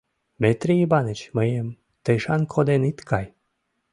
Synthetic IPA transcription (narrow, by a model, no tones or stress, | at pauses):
met̪ɾʲiibanet͡ɕməjem | t̪eʃɑnkʰod̪enit̪kʰaj